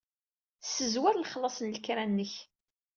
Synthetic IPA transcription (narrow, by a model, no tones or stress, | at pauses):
sːəzwaɾlχlɑsˤənlkɾanːəç